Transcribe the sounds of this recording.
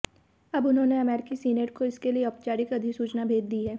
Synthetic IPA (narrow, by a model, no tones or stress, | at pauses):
ɐbʊnɦõːneɐmɛːɾɪkisiːnəɾkoɪskelieɔːpt͡ʃaːɾɪkɐd̪ʱɪksuːt͡ʃnabʱeːd͡ʒ̪d̪iɦɛː